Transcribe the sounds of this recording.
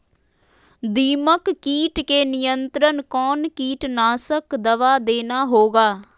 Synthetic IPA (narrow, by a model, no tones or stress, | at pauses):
d̪iːməkːiːʈkeːnɪjənt̪ɾənkɔːnkiːʈnaːsəkd̪əʋaːd̪eːnaːɦoːɡaː